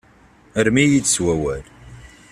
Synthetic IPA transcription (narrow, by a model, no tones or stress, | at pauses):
əɾmijit͡sːswæwæl